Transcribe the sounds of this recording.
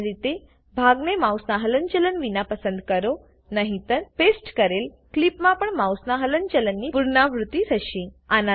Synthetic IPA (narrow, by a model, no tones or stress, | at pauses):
ɾit̪e | bʱaɡnemawsnaɦələnt͡ɕələnʋinapəsənd̪kəɾo | nəɦĩt̪əɾpesʈkəɾel | klipmãpəɳmawsnaɦələnt͡ɕələnːiːpuɾɳaʋɾut̪iɾəɕĩana